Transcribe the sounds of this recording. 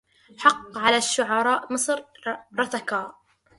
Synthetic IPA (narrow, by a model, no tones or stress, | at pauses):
ħɑqːʕalaʃːʊʕɑɾˤɑːʔmɨsˤɾɾˤɑθakaːʔ